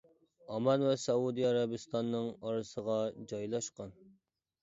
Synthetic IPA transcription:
ɑmɑnwɛsɑud̪iɑɾɑbɨst̪ʰɑnːɨŋɑɾɨsəʁɑd͡ʒɑjlˠɑʃqɑn

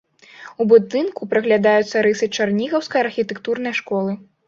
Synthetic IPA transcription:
ubud̪ɨnkupɾɐɣlʲad̪ajut̪sːɐɾɨsɨt͡ʂarnʲiɣɐwskɐjɐrxʲit̪ɛkt̪urnɐjɐʂkɔlˠɨ

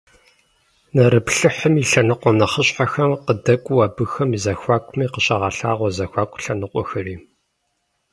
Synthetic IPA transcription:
nɐɾɨpɬɨħəmiɬɐnɨqʷɔnɐχəɕħaxɐmqədɐkʷʼwɐbɨxɐmizɐxʷaːkʷʰʼʊmiːqəɕɐʁɑːɬaːʁʷɔzɐxʷaːkʷʼɬɐnɨqʷɔ̰xɐriː

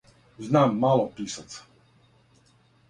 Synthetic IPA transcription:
znaːmːaːlɔpiːsat͡s

